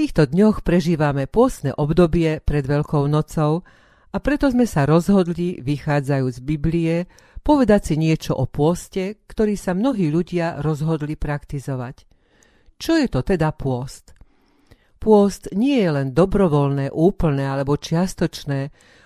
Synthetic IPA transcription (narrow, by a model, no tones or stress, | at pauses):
t̪iːxt̪ɔd̪ɲɔxpɾɛʒiːʋamɛpʊɔst̪nɛ̰ːʔɔbd̪ɔbɪɛpɾɛd̪ʋɛʎkɔʊnɔt͡sɔʊ | apɾɛt̪ɔzmɛsaɾɔzɦɔd̪liʋixaːd͡zajuːzbibliɛ | pɔʋɛd̪acsiɲɪɛt͡ʃɔ̰ʔɔpʊɔscɛkt̪ɔɾiːsamnɔɦiːʎuɟɪaɾɔzɦɔd̪lipɾakt̪izɔʋac | t͡ʃɔjɛt̪ɔt̪ɛd̪apʊɔst̪ | pʊɔst̪ɲɪɛjɛlɛnd̪ɔbɾɔʋɔlnɛːʔuːpl̩nɛːalɛbɔt͡ʃɪast̪ɔt͡ʃnɛː